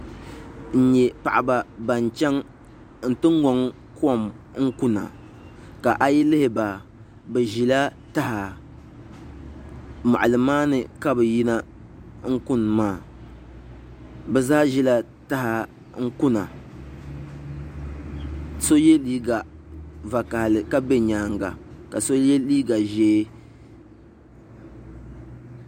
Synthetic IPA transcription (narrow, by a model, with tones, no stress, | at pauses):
n̩˨ɲɛ˨pa˨ʔa˨ba˨ba˨n˨t͡ʃɛ˦ŋ | n̩˦˨tɨ˦ŋ˦ŋɔ˨ŋ | kɔ˦˨m | ŋ̩˦ku˦na̰˨ | ka˨ʔa˦ji˦lɪ˦hɪ˨ba˨ | bɛ˨ʒi˨la˦ | ta˦ha˨ | ma̰˨ʔa˨lɨ˨maː˦nɨ˨ka˦bɨ˨ji˦na˦ | ŋ̩˦ku˦nmaː˦˨ | bɛ˨zaː˦ʒi˦la˦ | ta˦ha˨ | ŋ̩˦kʊ˦na˨ | so˦je˦liː˦ɡa˨va˨ka˨hlɨ˨ka˦be˦ɲaː˦ŋɡa̰˨ka˨so˦je˦liː˦ɡa˨ʒeː˦